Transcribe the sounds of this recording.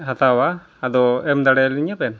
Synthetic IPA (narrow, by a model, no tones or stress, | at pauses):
ɦat̪awaː | d̪ɔɛmd̪aɽɛliɲapɛn